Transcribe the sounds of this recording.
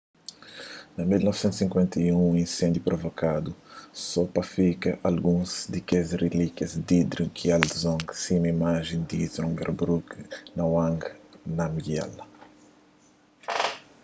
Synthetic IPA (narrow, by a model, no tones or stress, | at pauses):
nɐmilnɔv̥sẽnt̪usĩŋkwẽnt̪ɐjũũĩnsẽnd̪jupɾovokad̪usɔpɐfikɐʔalɡũzd̪ikezrelikjɐzd̪id̪ɾikʰiald̪zɔ̃ŋɡsĩmɐimaʒẽnd̪it̪ɾɔ̃ŋɡɛɾbɾuknɐwãŋɡnɐmiɡia̰lɐ